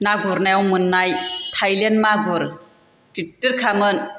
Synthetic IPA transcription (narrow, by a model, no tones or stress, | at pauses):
naɡuɾnajawmɯnːajtʰajlenmaɡuɾ | ɡ̥itːɯɾkʰamɯn